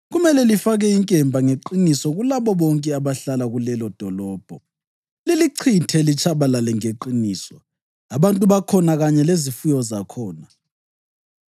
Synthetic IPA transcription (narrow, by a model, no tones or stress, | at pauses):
ɣumɛlɛlifaɣɛiŋkʼɛmbʱaŋeǃinisɔɣulaβɔβɔŋkʼɛaβaɬalaɣulɛlɔd̥ʱɔlɔːb̥ʱɔ | liliǀʰitʰɛlit͡ʃʰaβalalɛŋeǃiniːsɔ̰ | aβantʼuβakʰɔnaɣaɲɛlezifujɔzakʰɔːna